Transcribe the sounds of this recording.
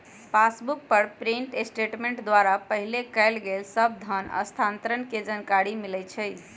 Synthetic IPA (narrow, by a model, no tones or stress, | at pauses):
pasbuk̚pəɾpɾiɳʈesʈeʈmeɳʈd̪waɾapəɦilekəɪlɡelsəb̚d̪ʱənə̰st̪ʰant̪ɾənked͡ʒənkaɾimilɛt͡ʃʰəj